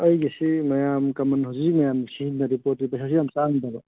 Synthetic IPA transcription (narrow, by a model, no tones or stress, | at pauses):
ɐjɡesimɐjamkɐmɐnɦawzimɐjamsiɦinnɐɾipoɾtipɐjsʰas̬ijamsanitaɡɔ